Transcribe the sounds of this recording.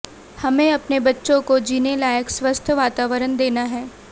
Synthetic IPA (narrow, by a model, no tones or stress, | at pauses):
hɐmẽɐpnebɐtːʃõkod͡ʒiːnelaːjəkswʋəst̪ʰʋaːt̪aːʋəɾənd̪eːnaɦɛː